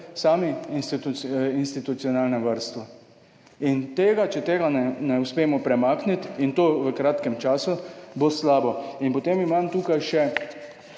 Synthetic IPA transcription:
saːminst̪uinst̪it̪ut̪siɔnaːlnɛʋaɾst̪ʋɔ | int̪eːɡat͡ʃɛt̪eːɡanɛnɛuspeːmɔpɾɛmaːknit̪int̪oːʋəkɾaːt̪kɛmt͡ʃaːsuboslaːbɔinpɔt̪eːmimaːmt̪uːkajʃɛ

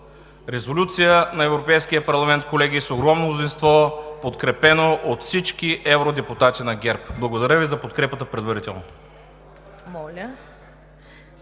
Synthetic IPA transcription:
ɾɛzolʲut̪sijənɐɛvɾopɛjsk̟ijəpɐɾlˠɐmɛnt̪̚kolɛɡisoɡɾɔmnonʊzinst̪vɔpot̪kɾɛpɛnoʔot̪fsit͡ʃkiʔɛvɾod̪ɛput̪at̪inɐɡʲɛɾpblˠɐɡod̪ɐɾʲəvizɐpot̪kɾɛpət̪əpɾɛd̪vɐɾit̪ɛlˠno | mɔlʲə

